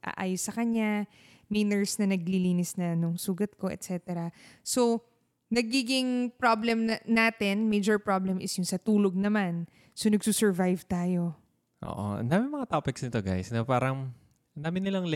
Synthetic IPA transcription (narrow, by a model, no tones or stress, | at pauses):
ʔa̰ʔaːjosːɐkɐɲa | mɐjnɛɹsnɐnɐɡ̚liliːnɪsnɐnʊŋsuːɡɐt̪̚ko̞ʔɛ̰t̪sɛːt̪ɛɾɐso | nɐɡiːɡɪŋpɹoblɛmnaːt̪ɛnmejd͡ʒɛɹpɹoblɛmʔɪsjʊŋsɐt̪uːlo̞ɡ̚nɐman | so̞nɐɡ̚susɛɹvajvt̪aːjo̞ | ʔo̰ːʔo̰ɐ̰nd̪aːmɪnmɐŋat̪opɪksnɪt̪oɡa̰jsnɐpaːɾɐŋ | ɐnd̪aːmɪnɪlaŋl